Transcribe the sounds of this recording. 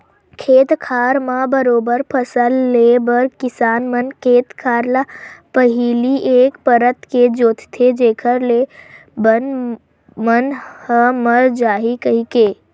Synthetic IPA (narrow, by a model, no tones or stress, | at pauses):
kʰeːt̪kʰaːɾmãbəɾoːbəɾpʰəsəlːebəɾkɪsaːnmənkʰeːt̪kʰaːɾlapəɦiliʔeːkpəɾət̪ked͡ʒoːt̪ʰt̪ʰed͡ʒeːkʰəɾle | bən | mənhəməɾd͡ʒaːɦikəɦikeː